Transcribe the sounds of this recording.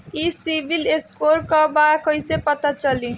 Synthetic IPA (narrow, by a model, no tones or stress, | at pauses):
isibʱileskoɾkʌbakʌjsepʌt̪at͡sʌli